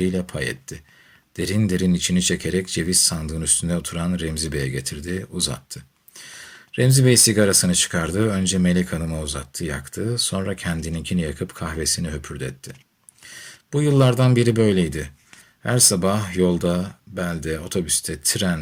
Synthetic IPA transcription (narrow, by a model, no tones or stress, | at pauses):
ijlʲɛpʰajɛ̰t̪ʰːɪ | d̪̥e̞ɾind̪e̞ɾinit͡ʃʰinit͡ʃʰecʰeɾɛcd͡ʒe̞visːand̪ɯɯnyst̪ʰynd̪ɛot̪ʰuɾanɾɛmzibejɛɟe̞t̪ʰiɾd̪ɪuza̰t̪ʰːɯ | ɾɛmzibejisiɡaɾasɯnɯt͡ʃʰɯ̥kʰaɾd̪ɯø̞nd͡ʒɛmelʲɛcʰanɯmauza̰t̪ʰːɯja̰kt̪ʰɯso̞nɾacʰɛnd̪inincʰinijakʰɯpkʰaxve̞siniɦøpʰyɾd̪ɛt̪ʰːɪ | b̥ujɯlˠːaɾd̪anbiɾibø̞jlʲejd̪ɪ | hæɾsabahjo̞lˠd̪abælʲd̪ɛo̞t̪ʰo̞byst̪ʰɛt̪ʰiɾæn